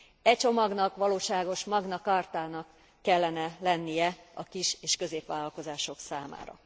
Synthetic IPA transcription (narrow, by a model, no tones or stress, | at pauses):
ɛct͡ʃo̞mɒɡnɒkʋɒloːʃaːɡo̞ʃmɒɡnɒkaːrt̪aːnɒkː | ɛlːɛnɛlɛnːijɛɒkiʃeːʃkø̞zeːpʋaːlɒlko̞zaːʃo̞ksaːma̰ːɾɒ̰